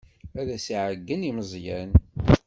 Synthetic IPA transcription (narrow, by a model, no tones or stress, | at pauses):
æɾæsiʕəɡːəniməzˤjæn